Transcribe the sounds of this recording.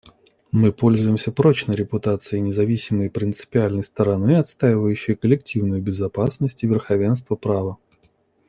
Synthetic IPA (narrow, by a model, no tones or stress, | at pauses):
mɨpo̞lʲzʊjɪmsʲəpɾo̞t͡ɕnəɾʲɪpʊt̪at̪sɨɪnʲɪzɐvʲisʲɪməjpɾʲɪnt̪sɨ̥pʲɪalʲnəjst̪əɾɐnɨɐt̪st̪ajɪvəjʉɕːɪjkəlʲɪk̚tʲivnʊjʊbʲɪzɐpasnəsʲtʲɪvʲɪrxɐvʲe̞ns̬t̪vəpɾavə